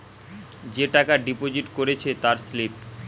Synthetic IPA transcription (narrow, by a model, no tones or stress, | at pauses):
d͡ʑeʈakaɖipod͡ʑiʈkoɾet͡ɕʰet̪aɾslip̚